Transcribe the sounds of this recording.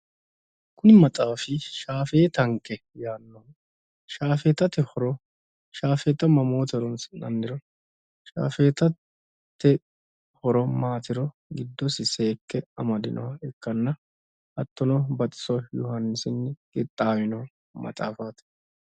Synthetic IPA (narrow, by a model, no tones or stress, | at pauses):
kʊnɪmɐt͡sʼaːfɪʃaːfeːt̪ɐŋkːɛ | jaːnːɔ | ʃaːfeːt̪ːɐt̪ɛhɔɾɔ | ʃaːfeːt̪ːɐmɐmoːt̪ɛɾɔnsnɐ̰nd̪ɪɾɔ | ʃa̰ːfeːt̪ɐ | t̪ːɛ | hɔɾɔmaːt̪ɪɾɔ | ɡɪd̪ːɔsɪseːkːɛɐmɐd̪ɪnʔɔhɐɪkːɐnːɐ | ʔɐt̪ːɔnɔbɐt̪ʼɪ̥sɔjɔhɐnːɪsɪnːɡɪt̪ʼːaːmɪnɔ | mɐ̰t͡sʼa̰ːfaːt̪